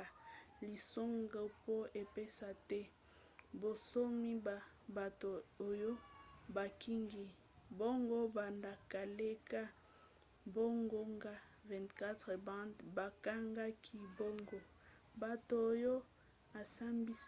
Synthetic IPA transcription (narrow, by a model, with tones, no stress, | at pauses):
a˨li˨so˦ŋɡa˦po˦e˨pe˦sa˨tɛ˦ | bo˨so˦mi˦ba˨ | ba˨to˨o˨jo˦ba˨ki˦ŋɡi˦ | bo˦ŋɡo˦ba˨nda˨ka˨le˦ka˦ | bo˦ŋɡo˦ŋɡa˦ | vɛ̃˨ntka˦te˨bba˨ka˦ŋɡa˦kʰi˨bo˦ŋɡo˨ | ba˨to˨jo˦ | a˨sa˦mbi˦